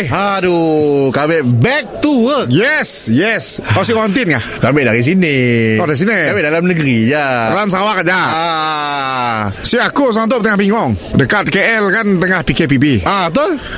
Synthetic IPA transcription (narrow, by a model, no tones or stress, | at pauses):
adukabɛʔbɛk̚t̪uəjɛsjɛsas̬ikɔant̪̬ɪnkahkabɛʔdaɾis̬iniɔdais̬iniabɛʔdalamnəɡəɾijadalams̬awakad͡ʒaa | siakus̬ant̪̬ʊʔ̚t̪əŋahpiŋɔŋdəkat̪̚keʔɛlkant̪əŋahpikep̬ibiat̪o